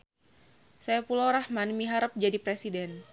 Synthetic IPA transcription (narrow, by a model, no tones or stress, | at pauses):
sajapulawɾahmanmiɦaɾəp̚d͡ʒadipɾesidɛn